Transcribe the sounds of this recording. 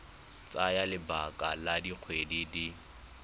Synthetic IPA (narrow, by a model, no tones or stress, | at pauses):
t͡sʼajalɪbakʼaladiq͡χʰwedidi